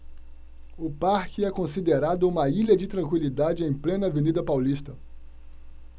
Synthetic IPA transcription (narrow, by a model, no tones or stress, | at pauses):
ʊpaɾkɪɛkõsid̪eɾad̪ʊũmɐiʎɐd͡ʒɪt̪ɾɐ̃ŋkwilid̪ad͡ʒɪẽj̃plẽnɐvenid̪ɐpawlist̪ɐ